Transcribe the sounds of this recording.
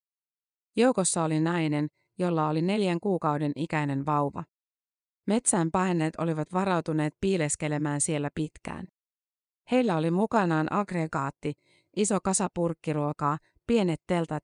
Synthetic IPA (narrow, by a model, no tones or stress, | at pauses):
jo̞wko̞sːɑo̞linɑjne̞n | jo̞lːɑo̞line̞ljæŋkuːkɑwde̞nikæjne̞nʋɑwʋɑ̰ | me̞t̪sæːmpɑjne̞ːt̪o̞liʋɑt̪ʋɑɾɑwt̪une̞ːt̪̚piːleske̞le̞mæːnsie̞lːæpit̪kæ̰ːn | he̞jlːæo̞limukɑnɑːnʔɑɡre̞ɡɑːt̪ːi | ʔiso̞kɑsɑpurkːiɾuokɑː | pie̞net̪ːe̞lt̪ɑt̪